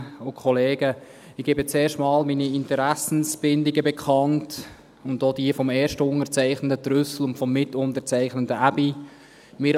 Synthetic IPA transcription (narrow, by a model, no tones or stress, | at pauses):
ʊkʰχɔleːɡə | ɪɡ̥eːbət͡seːʃtmɑːlminiɪntəɾæsn̩sb̥ɪndɪɡəbɛkʰɑnt | ʊndoːd̥iəfɔmɛːɾʃtəʊŋət͡sæɪχnəntətɾʏsl̩ʊntfɔmːɪtʊntəɾt͡sæɪχnəntəæbi | mɪːɾ